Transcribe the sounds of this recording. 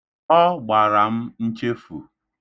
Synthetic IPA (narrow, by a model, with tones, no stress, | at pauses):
ɔ˦ɡ͡ba˨ɾa˨m̩˦n̩˦t͡ʃe˦fṵ˨